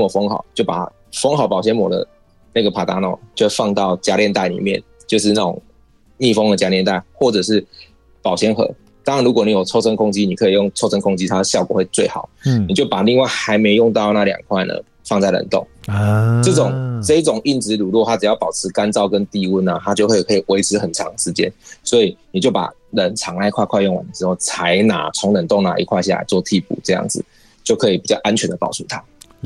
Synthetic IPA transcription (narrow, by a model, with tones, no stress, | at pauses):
ɔ˨˩fo˥ŋxɑ̰˨˩ʊt͡ɕjo˥˩ʊpa̰˨ | fɔ˥ŋxɑ˨˩ʊpɑ˨ʊɕjɛ˧˥nmwɔ̰˨˩d̪ə̰˩ | na˥˩ɡə˩pʰa˨˩t̪a̰˧˥na̰˨˩ʊt͡ɕo˥˧˥fɑ˥˧ŋt̪ɑ˥˩ʊt͡ɕja˥ljɛ˥˧nt̪a˥˩ɪnḭ˨˩mjɛ˥˨n | t͡ɕjo˥˧ʊʂ̬ɻ̩˥˧na˥˩ʊ̰˨˩ŋ | ni˥˧˩fo˥ŋd̪ə˨t͡ɕja˥ljɛ˥˧nt̪a˥˩ɪxwɔ˥˩ʈ͡ʂɤ˨˩ʂ̬ɻ̩˥˩ | pɑ˨˩ʊɕjɛ˧˥nxɤ̰˨˧˦ | t̪ŋlu˧˥kwɔ˨˩ni˨˥jo˨˩ʊt͡sʰo˥ʊsʰə˦˥ŋkʰʊ˥ŋt͡ɕi˦ni˨˩kʰɤ˧˦˥i˨˩jo˥˩ŋt͡sʰo˥ʊʂʰə˧˥ŋkʰʊ˥ŋt͡ɕi˦˥t̪ʰa˥d̪ə˨ɕjɑ˥˩ʊkwɔ˨˩we˥˧ɪt͡swe˥˩ɪxɑ˨˩˦ʊni˨˩t͡ɕjo˥˩ʊpa˨˩li˥˧ŋwa˥˨ɪxa˧˥ɪme˧˥ɪjʊ˥˧ŋt̪ɑ˥˧ʊna˥˩ljɑ̰˨˩ŋkʰwa˥˩ɪndə̰˩ | fɑ˥˧ŋt͡sa˥˩ɪlə̰˨˩nt̪o̰˥˩ŋʈ͡ʂɤ˥˩ʈ͡ʂʊ˨˩ŋʈ͡ʂɤ˥˧i˥˩ʈ͡ʂʊ˨˩ŋi˥˩nt͡sɻ̩˧˥lu˨lwɔ˥˧t̪ʰa˦˥ʈ͡ʂɻ̩˨˩jɑ˥˩ʊpɑ˨˩ʊʈ͡ʂʰɻ̩˧˥ka˦nt͡sɑ˥˧ʊkə˦nt̪i˥˧wu˥˩na˨˩t̪ʰa˥t͡ɕjo˥˧ʊkwe˥˧i˨˩kʰɤ˧i˨˩we˧˥ɪʈ͡ʂʰɻ̩˧˥xə˨˩nʈ͡ʂʰɑ˧˦ŋə˨ʂɻ̩˧˥t͡ɕjɛ̰˦nswɔ˧˥i˨˩ni˨˩t͡ɕjo˥˩ʊpa̰˨˩ | lə˨˩nt͡sʰɑ˧˥ŋla˧˥ɪkʰwa˥˧ɪkʰwa˥˧ɪjŋwa̰˨˩ndə˨˩ʈ͡ʂɻ̩˧˥xo˥˩ʊt͡sʰa˧˥ɪna̰˨˩t͡sʰʊ˧˥ŋlə˨˩nt̪o˥˨˩ŋna̰˨˩ʔḭ˦˥kʰwa˥˧ɪɕa̰˥˩a̰˨˧ɪt͡swɔ˥˧t̪ʰi˥˧pṵ˨˩ʈ͡ʂɤ˥˧jɑ̰˥˩ŋd͡zɹ̩˨˩ | t͡ɕjo˥˩ʊkʰɤ˧˥i˨˩pi˨˩t͡ɕjɑ˥˩ʊʔa˦nt͡ɕʰɥɛ˧˥nd̪ə˩pɑ̰˨˩ʊt͡sʰu˧˥t̪ʰa˧˦